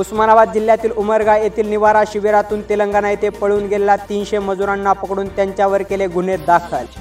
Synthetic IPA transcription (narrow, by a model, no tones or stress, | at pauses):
usmanaʋat̪̚d͡ʑil̤ːjat̪iːluməɾɡajet̪ʰiːlniʋaɾaɕiʋeɾat̪uːnt̪iləŋɡanajt̪epəɭuːnɡʱelelat̪iːnɕeməd͡zuɾanːapəkɽuːnt̪jaɲt͡ɕjaʋəɾkeleɡʱuned̪akʰəl